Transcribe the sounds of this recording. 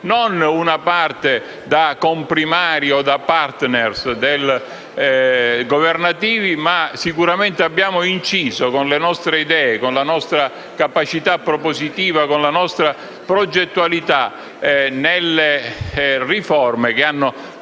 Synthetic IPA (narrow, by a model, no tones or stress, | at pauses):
nonunapart̪e | d̪akompɾimaːɾiod̪apart̪nersd̪el | ɡovernat̪iːvimasikuɾament̪eabːjaːmoint͡ʃiːzokonlenɔst̪ɾeid̪ɛːekonlanɔst̪ɾa | kapat͡ʃit̪apːɾopozit̪iːvakonlanɔst̪ɾa | pɾod͡ʒet̪ːualit̪a | nelːe | rifɔrmek̟eanːo